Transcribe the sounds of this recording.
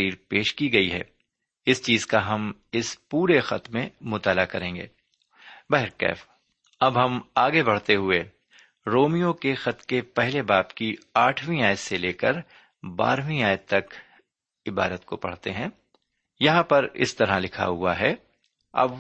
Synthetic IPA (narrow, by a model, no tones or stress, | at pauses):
iːɾpeːʃkiɡɐiɦɛ̰ː | ɪst͡ʃiːzkaɦɐmɪspuːɾexɐt̪mẽmʊt̪aːlakɐɾẽːŋɡḛː | bɛɦɪɾkɛ̰ːf | ɐbɦɐmaːɡebɐɽ̤t̪eɦʊe | ɾoːmijõkexɐt̪kepɛɦlebaːpkiaːʈʰʋĩaːj̪seleːkəɾ | ba̰ːɾʋĩaːjt̪ɐk | ɪbaːɾət̪kopɐ̰ɽ̤t̪eɦɛ̃ː | jɐɦãpɐɾɪ̰st̪ɐɾãlɪkʰa̰ɦʊa̰ɦɛː | ɐ̰b